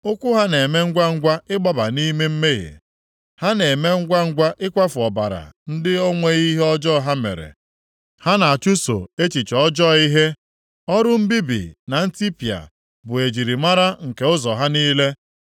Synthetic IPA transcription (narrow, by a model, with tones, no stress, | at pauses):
ʊ˦kʷʊ˦ɦa˦ne˨me˦ŋ̩˦ɡʷa˦ŋ̩˦ɡʷa˦ɪ˦ɡ͡bɔ˦ba˨ni˦me˦m̩˦me˦ɣḛ˨ | ha˦ne˨me˦ŋ̩˦ɡʷa˦ŋ̩˦ɡʷa˦ʔɪ˦kʷa˦fʊ˨ɔ˨ba̰˨ɾa̰˨n̩˦dɪ˦o˦ŋʷe˦ɣi˦ɦe˦ɔ˦d͡ʒɔ˦˨ɦa˦mḛ˨ɾḛ˨ | ha˦na˨a˨t͡ʃu˦so̰˨e˦t͡ʃi˨t͡ʃɔ˦d͡ʒɔ˦˨i˦ɦe˦ | ɔ˦ɾʊ˦m̩˦bi˦bḭ˨na˨n̩˦ti˦pi˨a̰˨ | bʊ˨e˨d͡ʒi˨ɾi˨ma˦ɾa˦ŋ̩˨ke˨ʊ˦zɔ˨ɦa˦niː˦le˦